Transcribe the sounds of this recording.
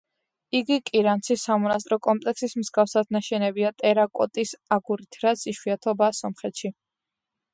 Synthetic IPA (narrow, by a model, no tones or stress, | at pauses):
iɡikʼiɾant̪sʰisːamɔnas̬t̪ʼɾɔkʼɔmpʼlɛksismzɡafsad̪̚naʃɛnɛbiat̪ʼɛɾakʼɔt̪ʼisaɡuɾit̪ʰɾat̪siʃwiat̪ʰɔbasɔmχɛt̪ʰʃi